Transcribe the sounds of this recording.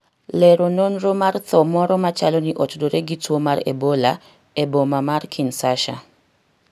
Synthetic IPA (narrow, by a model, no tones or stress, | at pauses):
lɛɾononromart̪ɔmɔɾɔmat͡ʃalɔniʔotdoɾeɡitwomaɾḛbola | ebomamarkʰinsaʃa̰